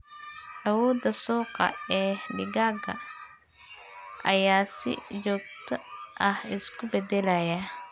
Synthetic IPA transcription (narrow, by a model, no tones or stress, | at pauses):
ʔɐwɔːd̪ɐsuːqɑ̰ɛːɖɪɡaːɡɐ̰ | ʔɐjaːsɪ̰t͡ʃɔːɡ̚t̪ʰɐʔɐhɪskʰʊbɛd̪ɛlɐjɐ